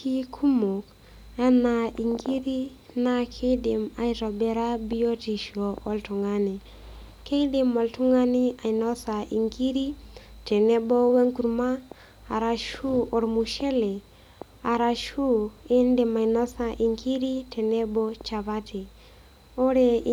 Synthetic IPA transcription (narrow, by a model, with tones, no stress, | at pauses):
ki˦kʰu˦mo˨k | a˦na˨i˨ŋɡi˦ɾi˦ | na˦kʰe˦de˨ma˨jɾo˨be˨ɾa˦bi˦jo˦ti˨ʃo˨wo˦ltu˨ŋa˦ni˨ | ke˦de˨mo˨ltu˦ŋa˦ni˦a˨jno˦sa˨ʔi˨ŋki˦ɾi˦te˨ne˦bo˦we˦ŋku˨ɾmaː˦˨ | ɾa˨ʃu˦o˨ɾmu˨ʃe˦le˨ | a˨ɾa˨ʃu˦e˦nde˨ma˨jno˦sa˨ʔi˨ŋki˦ɾi˦te˨ne˦bo˦t͡ʃa˨βa˦tʰi˨ | o˦ɾe˨